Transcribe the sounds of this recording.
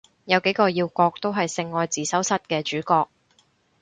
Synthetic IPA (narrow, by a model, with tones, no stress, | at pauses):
jɐ˨˧wke˨˥jkɔː˧jiː˧wkɔː˧k̚t̪o˥wɦɐ˨jsɪ˧ŋːɔː˧jt͡siː˨sɐ˨˥wsɐ˥t̚kɛː˧t͡ʃyː˨˥kɔː˧k̚